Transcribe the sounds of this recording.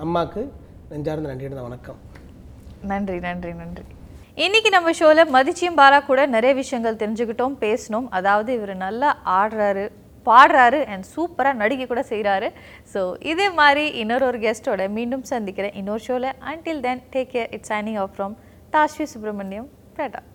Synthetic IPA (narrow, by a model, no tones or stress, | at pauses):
ɐmːaːkːɯ | nɐɲd͡ʒaːɾɯnd̪ɐnɐɳɖɪɽɐãːʋɐnɐkːɐm | nɐɳdrinɐɳɖrinɐɳdri | ɪnːɪkːinɐmːɐʂoːlɛmɐðɪt͡ʃːɪjɯmbaːlaːkuːɽɐnɛɾɐjɐʋɪʂɐjɐŋɡɐɭt̪ɛɾɪɲd͡ʒɯkːɪʈːõːmpeːsɐnoːmɐðaːʋɐðɯɪʋɐɾɯnɐlːɐaːɽɾaːɾɯ | paːɽɾaːɾɯʔɛɳɖsuːpɐɾaːnɐɽɪkːikːuːɽɐsɛjɾaːɾɯ | soːʔɪðeːmaːd̪ɾiʔɪnːoːɾoːɾɡɛsʈoːɽɐmiːɳɖɯmsɐnd̪ɪkːɪɾẽːʔɪnːoːɾɯʂoːlɛʔɐɳʈɪld̪ɛnʈeːkːeɾʔɪʈsɐɪnɪ̃ŋɔːfɾɔm | t̪aːsʋisʊp̬ɾɐmɐnːɪjɐm | pɾeːʈːa̰ː